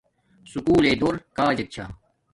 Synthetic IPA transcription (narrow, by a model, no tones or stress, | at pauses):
sukuːleːd̪oːɾkaːd͡ʑɐt̚t͡ɕʰa̰ː